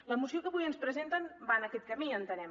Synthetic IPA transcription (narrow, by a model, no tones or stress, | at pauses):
ləmusiokəβujənspɾəzent̪ənbanəkɛt̪̚kəmiənt̪ənɛm